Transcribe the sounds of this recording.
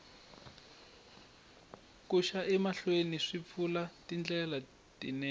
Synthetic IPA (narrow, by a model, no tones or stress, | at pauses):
kuʃaʔɛmaɬweniʂip̪fʰulatind͡ɮɛla | tḭnɛ